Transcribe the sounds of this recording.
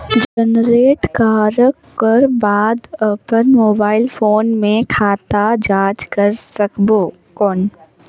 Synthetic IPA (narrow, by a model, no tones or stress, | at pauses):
d͡ʒənɾeːʈkaːɾək | kəɾbaːd̪əpənmoːbaːɪlfʰoːnmẽkʰaːt̪ad͡ʒaːd͡ʒkəɾsəkboː | kɔːn